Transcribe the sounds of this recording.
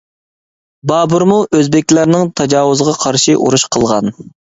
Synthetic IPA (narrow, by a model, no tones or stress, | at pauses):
bɑːbuɾmuʔøzbɪkʲlæɾnɪŋt̪ʰɑd͡ʒɑːwʊzʁɑqʰɑɾʃiʔṵɾuʃqʰəlˠʁɑn